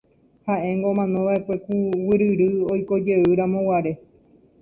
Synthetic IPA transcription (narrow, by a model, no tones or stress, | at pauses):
haʔẽ̞ŋɡoomãnõβaekʷe̞kuwɨɾɨɾɨojko̞d͡ʒe̞ɨɾãmõ̞waɾe̞